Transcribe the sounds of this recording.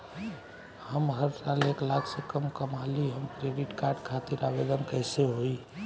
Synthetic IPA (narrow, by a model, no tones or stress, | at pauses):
həmɦəɾsaleklakʰsẽkəmkəmaliɦəmkɾeɖiʈkaɾɖkʰat̪iɾabed̪ənkəɪseɦoi